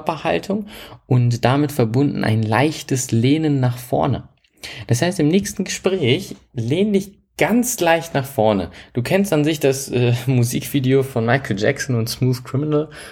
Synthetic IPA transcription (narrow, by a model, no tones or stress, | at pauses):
pɐha̰ltʰʊŋʔʊntd̥amɪtfɛɐbʊndn̩ʔa̰ɪnla̰ɪçtəsleːnənːaːχfɔ̰ɐnə̰ | d̥ashaɪstɪmnɛːçstn̩ɡəʃpʁ̥ɛːçleːndɪç | ɡ̥ant͡slaɪçtnaχfɔɐnə̰d̥uːkʰɛnstanzɪçd̥asʔɛːmuzḭːkv̥iːdeofɔnmaɪkl̩d͡ʒɛ̰ksɔn̩ʊntsmuːθkʁ̥ɪmɪnəl